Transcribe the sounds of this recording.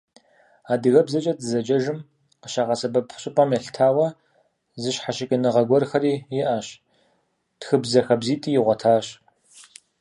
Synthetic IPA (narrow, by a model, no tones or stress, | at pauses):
aːdɨɣɐbzɐt͡ʃʼɐdɨzɐd͡ʒɐʒɨm | qəʃaːʁɐsɐbɐpɕʼɪpʼɐmjɛɬtʰaːwɐ | zɨɕħaɕɪkʲʼɐnɨʁɐɡʷɔrxɐɾiːjɪʔaɕ | txɨbzɐxɐbziːtʼiːjɪʁʷɔtʰaːɕ